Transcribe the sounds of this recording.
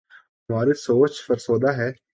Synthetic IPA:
ɦɐmaːɾesoːt͡ʃfəɾsoːd̪aɦɛː

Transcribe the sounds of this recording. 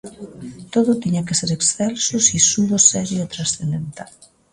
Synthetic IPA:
t̪oðot̪iɲakeseɾeksθɛlsosisuðosɛɾjot̪ɾasθend̪ent̪al

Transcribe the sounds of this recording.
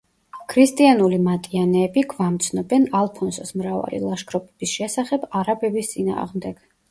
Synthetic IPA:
kʰɾist̪ʼianulimat̪ʼianɛːbiɡvamt̪sʰnɔbɛnalˠpʰɔnsɔsmɾava̰lḭlˠaʃkʰɾɔpʼɛb̥isʃɛsaχɛbaɾabɛbist̪sʼina̰ːʁmd̪ɛɡ̥

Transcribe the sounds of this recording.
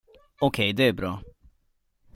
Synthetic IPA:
ɔkʰɛjd̪ɛæɾbɾɑː

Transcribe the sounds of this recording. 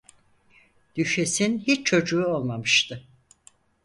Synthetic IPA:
d̪̥yʃesinhit͡ʃt͡ʃʰo̞d͡ʒuːo̞lˠmamɯʃt̪ʰɯ

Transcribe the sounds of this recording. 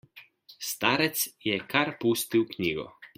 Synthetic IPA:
st̪aːɾɛt̪sjɛkʰaɾpuːst̪iwkniːɡɔ̰

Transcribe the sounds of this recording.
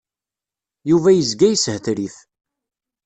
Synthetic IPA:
juvæjəzɡæjəshθɾiθ

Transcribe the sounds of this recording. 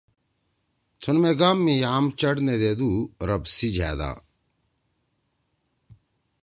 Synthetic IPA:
t̪ʰunmeɡaːmːĩjaːmt͡ɕɐɽned̪eːd̪uːɾɐbsid͡ʑʱa̰ːd̪a̰ː

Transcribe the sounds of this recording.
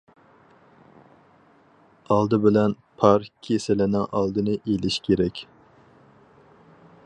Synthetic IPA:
ɑlˠd̪ɨbɪlɛn | pʰɑɾkʲʰesɪlɪnɪŋʔɑlˠd̪ɨnɨʔelɪʃkʲʰeɾɛkʲ

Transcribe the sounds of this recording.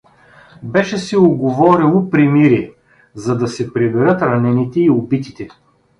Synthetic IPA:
bɛʃɛsɛoɡovɔɾilˠopɾimiɾiɛ | zɐd̪ɐsɛpɾibɛɾɤt̪ɾɐnɛnit̪ɛiobit̪i̥t̪ɛ

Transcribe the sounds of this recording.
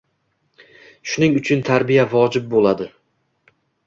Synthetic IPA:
ʃʊnɪŋʊt͡ʃʰʊnt̪ʰaɾbijavɒd͡ʒɪb̚bolˠad̪ɪ

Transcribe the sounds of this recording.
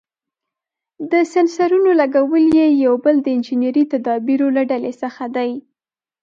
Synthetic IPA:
d̪əsansaɾunolaɡawəljejawbəld̪əɪnd͡ʒinjaɾit̪ad̪ɑbiɾolaɖalesəxad̪aj

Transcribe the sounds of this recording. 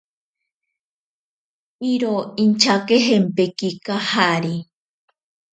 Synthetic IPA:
iɾoint͡ʃakeɦempekikahaɾi

